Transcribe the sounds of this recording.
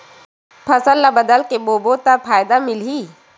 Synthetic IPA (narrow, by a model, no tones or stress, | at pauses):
pʰɐsəlːabɐd̪əlkeboːbot̪apʰaːjd̪amɪlɦiː